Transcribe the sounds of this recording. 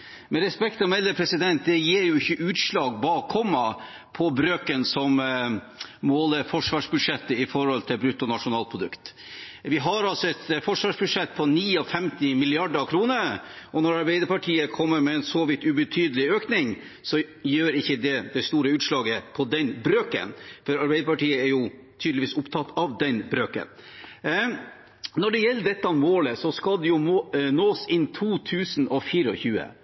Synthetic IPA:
mɛɾɛspɛkt̪ɔmɛlːəpʰɾɛsɪd̪ɛnt̪̚d̪ɛjeːɾjʊɪçːəʔʉːt̪ʂɭɑːɡ̚bɑːkʰːɔmːɑ | pʰɔbɾøːkənsɔm | moːləɾfɔʂʋɑːʂbʉd̪ʂɛt̪ːəɪfɔɾhɔlt̪ʰɪlbɾʉt̪ːɔnɑʂʊnɑːlpʰɾʊd̪ʉkt̪ | ʋɪɦɑɾɑlsɔɛt̪fɔʂʋɑːʂbʉd̪ʂɛt̪ːpʰɔniːɔfɛmt̪ɪmɪlɪɑɖəkʰɾuːnəʔɔnɔɾɑɾbɛɪd̪əɾpɑʈʰiːəkʰɔmːəɾmɛɛnsɔʋɪt̪ʉbət̪ʰyːd̪əlɪøːknɪŋ | sɔjøːɾɪçːəd̪ɛd̪ɛst̪uːɾəʉːt̪ʂlɑːɡəpʰɔd̪ɛnbɾøːkə̰nfɔɾɑɾbɛɪəpɑʈiːəæɾjʊ | t̪ʰyːd̪lɪʋiːsʊpt̪ʰɑt̪ːɑʋd̪ɛnbɾøːkə̰n | nɔɖɛjɛlːəɖ̪ɛt̪ːɑmoːləsɔskɑld̪ɛjʊmnoːsɪnːt̪ʰuːt̪ʰʉːsn̩ɔfiːɾəɔ̰çʉːə̰

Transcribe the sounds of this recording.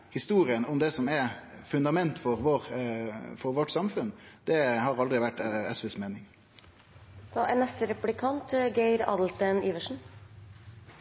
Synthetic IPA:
hɪst̪uːɾɪənɔmd̪ɛsɔmɛ | fʉnd̪ɑmɛnt̪fɔɾʋoɾ | fɔɾʋɔʈːsɑmfʉnd̪̥ɛhɑɾɑld̪ɾɪʋæʈːɛ̰sʋɛsmeːnɪŋ | d̪̥ɑːʔænɛst̪əɾɛpʉblɪkʰɑnt̪ɡeɪɾɑ̰ːd̪l̩sɛniːʋəʂn̩

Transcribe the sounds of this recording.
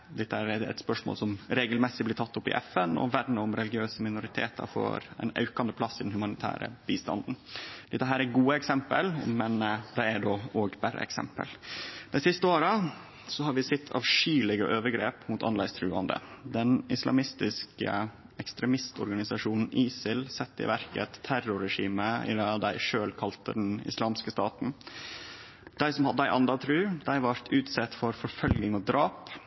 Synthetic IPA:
d̪ɛt̪ːəæɾɛ̰t̪spœʂmo̰ːlsɔmɾeːɡəlmɛsːɪblɪt̪ʰɑt̪ːʊpːɪ̰ʔɛfɛnɔ̰ʋæɖnəʊmɾɛlɪɡɪøːsəmɪnʊɾɪt̪ʰḛːt̪ʰə̰ɾfo̰ːɾɛ̰nɑ̰ʉkɑnd̪əpʰlɑsːɪd̪ɛnhʉmɑnɪt̪ʰæ̰ːɾə̰b̥iːst̪ɑ̰nd̪n̩d̪̥ɛt̪ːəɦæːɾæɾɡuːəɛksɛmpəlmɛnd̪ɛæɖoːoːɡbæɾːə̰ɛ̰ksɛ̰mpə̰ld̪̥ɛɪsɪst̪əoːɾɑ | sɔhɑɾʋɪsɪt̪ʰːɑ̰ʋʂyːlɪɡə̰ʔøːʋəɾɡɾeːpmʊt̪ʰɑ̰nlæɪst̪ʰɾʉːɑ̰nd̪ə̰d̪ɛnɪslɑ̰mɪst̪ɪskə̰ | ɛkst̪ɾɛmɪst̪ɔɾɡɑnɪsɑʂuːnn̩ʔiːsɪlsɛt̪ːɪ̰ʋæɾkə̰t̪ʰːæɾʊɾɛʂiːməɪ̰d̪ɑd̪æɪʂøːlkʰɑlt̪ə̰d̪nɪ̰slɑːmskəst̪ɑːt̪n̩ | d̪̥æɪsɔmhɑd̪ːəæɪʔɑnd̪ɑt̪ʰɾʉːd̪æɪʋɑɾt̪ʰʉːt̪sɛt̪ːfɔɾfɔɾfœlɡnɪŋɔd̪ɾɑːp

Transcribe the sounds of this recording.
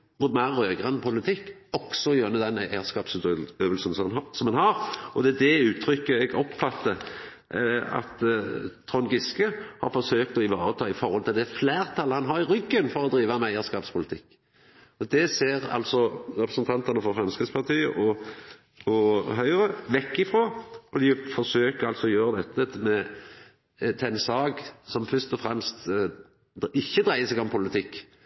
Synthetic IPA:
ʁʊd̪mæʁøːɡʁənəpʰʊlɪt̪ʰɪkːɔksɔjøːnəd̪ɛnæɪəɾskɑːpsʉːt̪ːøːʋəlsənsɔmhɑnhɑɾɔd̪ɛæd̪ɛʉːt̪ʰɾʏkːəɛɡɔpfɑt̪ːə | ɑ̰t̪t̪ʰʁɔnɡɪskəhɑɾfɔsøːkt̪ɔɪʋɑːɾət̪ʰɑːɪfɔɾhɔlt̪ʰɪld̪ɛæfleːɾt̪ʰɑlhɑnɦɑɾɪɾʏɡːənfɔɾɔd̪ɾiːʋɑmæɪəskɑːpspʰʊlɪt̪ʰɪkː | ɔd̪ɛseːɾɑ̰lsɔʁɛpɾəsnt̪ʰɑnt̪ənəfɔɾfɾɑmskɛspɑʁt̪ʰiːəʔɔ | ɔɦœʏʁəʋɛkːɪfɾoːɔd̪ɪfɔɾʂøːkəɾɑlsɔɔjøːɾəd̪ɛt̪ːəmɛ | t̪ʰɛnsɑːɡsɔmfœst̪ɔfɾɛmst̪ | ɪçːəd̪ʁæɪəsɛɡɔmpʰʊlɪt̪ʰɪkː

